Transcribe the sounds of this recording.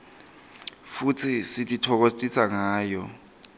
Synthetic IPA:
fut͡sʰisitʼitʰɔk̬ost͡sʼisʰaŋaːjɔ

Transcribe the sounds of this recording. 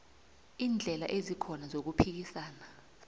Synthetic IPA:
iːnd͡ɮʱɛla̰ʔezikʰɔnazok̬upʰik̬isaːna

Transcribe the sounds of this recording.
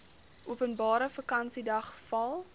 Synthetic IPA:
ʔuəpənbɑːɾəfəkɐnsidɐχfɐlˠ

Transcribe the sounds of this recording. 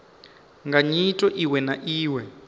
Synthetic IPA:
ŋɡaɲitʼɔʔiwɛnaʔiːwɛ

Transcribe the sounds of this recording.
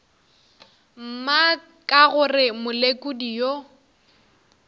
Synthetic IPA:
m̩ma | kʼaɣʊrɪmʊlekʼʊdijo

